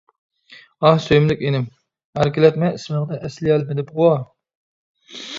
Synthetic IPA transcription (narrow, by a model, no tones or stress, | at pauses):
ɑhsøjmlɪkʲenɪm | hæɾkʲilɛt̪mɛismɨŋnɨʔæsliɛlmɪd̪ɪpʁʊwɑ